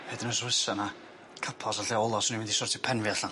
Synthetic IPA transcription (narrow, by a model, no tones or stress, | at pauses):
hedɪnəswɪsɛna | kʰəpʰɔsaɬeɔlˠɔsɔniɪndisʊrtʰipʰɛnvjaɬa